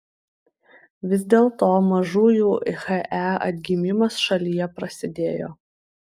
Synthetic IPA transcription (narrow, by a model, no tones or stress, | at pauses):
ʋʲɪzʲd̪ʲeːlˠt̪oːmɐʒuːjuːʔɪxɛʔæɐ̰t̪ʲɡʲɪmʲɪmɐsʃɐlʲijɛpɾɐsʲɪd̪ʲeːjo̰ː